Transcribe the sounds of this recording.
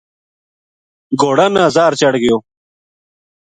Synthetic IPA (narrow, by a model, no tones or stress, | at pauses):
ɡoːɽanaːzaːɾt͡ɕɐɽɡijoː